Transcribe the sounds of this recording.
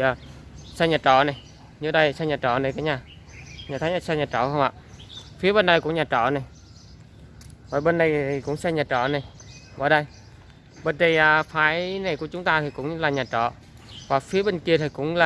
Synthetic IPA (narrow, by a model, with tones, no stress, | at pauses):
aː˨˩ | saː˧ɲaː˨˩t͡ɕɔ̰˧˨na˨˩j | ɲɨ˧˩ɗə˧jsa˧ɲaː˨˩t͡ɕɔ̰˧˩˨nə˨˩kaː˨˦jɲaː˨˩ | ɲaː˨˩t̪ʰaː˨˦jɲa˧˩sa˧ɲaː˨˩t͡ɕɔ̰˧˨xə˧wŋ͡mʔa̰ː˧˨fi˨˦əɓe˧nːa˨˧˩jkʊ˧˥˦ɲaː˨˩t͡ɕɔ̰˧˨na˨˩j | vəː˨˩ɓe˧nːa˨˧˩jt̪ʰi˨˩kʊ̰˧˥ŋ͡msaː˧ɲaː˨˩t͡ɕɔ̰˧˩˨na˨˩j | vəː˨˩ɗə˧j | ɓe˧nt̪ə˨˩jʔaː˨˩faː˨˦jna˨˩jku˧˩ət͡ɕʊ˨˦ŋ͡mt̪aː˧t̪ʰi˨˩kʊ̰˧˥ŋ͡mlaː˨˩ɲaː˨˩t͡ɕɔ̰˧˨ | vaː˨˩fi˨˦əɓe˧nki˧ət̪ʰi˨˩kʊ̰˧˥ŋ͡mlaː˨